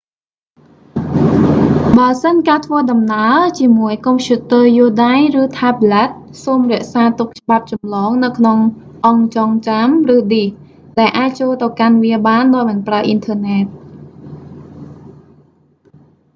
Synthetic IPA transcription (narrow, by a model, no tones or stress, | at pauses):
ɓəəsənkaːt̪ʰʋəːɗɑmnaət͡ɕiəmuəjkompʰjuːt̪əːjuəɗajrɨːt̪ʰaːblɛt̪̚soːmrɛ̆əʔsaːt̪uk̚t͡ɕə̆ɓap̚t͡ɕɑmlɔːŋnɨwkʰnoŋ | ʔɑŋt͡ɕɑŋt͡ɕamrɨːɗih | ɗaɛlʔaːc̚t͡ɕoːlt̪ɨwkanʋiəɓaːnɗaɔjmɑnpraəʔint̪ʰəːnɛːt̪̚